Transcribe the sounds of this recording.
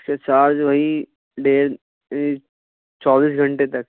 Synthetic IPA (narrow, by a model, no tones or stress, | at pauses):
ket͡ʃaːɾd͡ʒbʱɐi | ɖeːɾ | t͡ʃɔːbiːsɡʱɐ̃ɳʈet̪ɐk